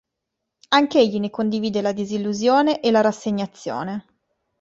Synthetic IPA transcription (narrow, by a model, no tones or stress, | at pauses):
aŋkeeʎːinekond̪iviːd̪elad̪izilːuzjoːneʔelaɾasːeɲːat̪sːjo̰ːne